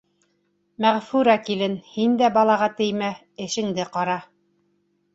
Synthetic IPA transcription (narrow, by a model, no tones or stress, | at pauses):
mæʁfuɾɑkilɘnhind̪æbɑlˠɑʁɑt̪ɘ̆jmæ | ɘ̆ʃɘ̆ŋd̪ɘqɑɾɑ